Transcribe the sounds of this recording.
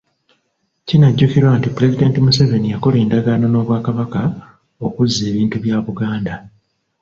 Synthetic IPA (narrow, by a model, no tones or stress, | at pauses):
cinaɟːukiɾwaːntipuɾe̞zide̞ːntimuseve̞nijako̞le̞ːndaɡaːno̞no̞ːβwaːkaβaka | o̞kuzːe̞ːβiːntuβjaːβuɡaːnda